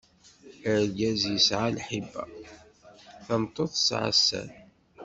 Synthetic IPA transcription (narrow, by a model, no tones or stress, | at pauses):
əɾɡæzjəsʕalħibːæ̰ | θəmt̪ˤːoθˤsʕa̰sːæ̰n